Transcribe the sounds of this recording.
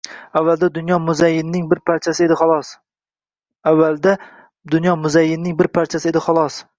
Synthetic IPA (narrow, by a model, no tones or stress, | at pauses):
avːalˠd̪ad̪ʊnjɒmʊzajːɪnːɪŋbɪɾpʰaɾt͡ʃʰasɪed̪ɪχɒlˠɒs | avːalˠd̪a | d̪ʊnjɒmʊzajːɪnːɪŋbɪɾpʰaɾt͡ʃʰasɪe̞d̪ɪχɒlˠɒs